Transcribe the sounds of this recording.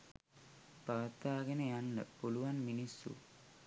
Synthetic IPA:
paːt̪aːɡenəjanlə̰puluʋanminisːṵ

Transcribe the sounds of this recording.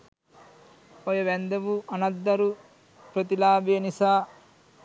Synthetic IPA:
ojoʋɛnd̪ɐʋuʔɐnɐd̪ːɐɾu | pɾɐt̪ilaːbijɐnisaː

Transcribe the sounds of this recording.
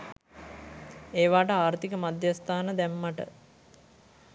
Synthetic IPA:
eːʋaːʈəaːɾt̪ikəmad̪jast̪ʰaːnəd̪æmːaʈə̰

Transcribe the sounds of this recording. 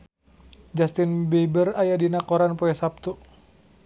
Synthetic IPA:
d͡ʒast̪inbebərajadinakɔɾanpɔɛsap̚t̪u

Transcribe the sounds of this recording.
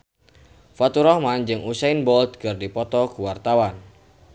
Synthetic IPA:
fat̪uɾɔhmand͡ʒɨŋʔusaɪnbɔlt̪̚kɨrdipɔt̪ɔkuwart̪awan

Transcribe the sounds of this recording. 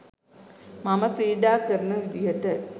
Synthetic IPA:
mɐmɐsiːɖaːkɐɾnɨʋid̪ijɐtːɐ

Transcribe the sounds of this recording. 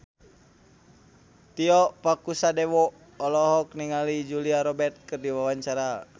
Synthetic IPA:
t̪iɔpakusadɛwɔː | lɔɦɔk̚niŋalid͡ʒuliaɾɔbɛrt̪̚kɨrdiwawaɲt͡ʃaɾa

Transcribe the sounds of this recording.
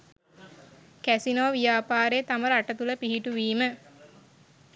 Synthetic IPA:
kæsinoːʋijaːpaːɾeːt̪aməɾaʈət̪uləpiɦiʈuʋiːmə

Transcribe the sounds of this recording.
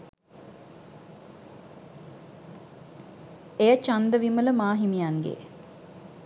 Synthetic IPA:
ejət͡ʃand̪əʋimələmaːɦimijaŋɡḛ

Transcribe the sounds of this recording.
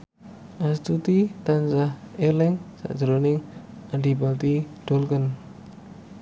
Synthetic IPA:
ʔast̪ut̪it̪ansahelɪŋsa̰ʔd̥ʒ̥əɾonɪŋ | anɖibalt̪iɖ̥olkən

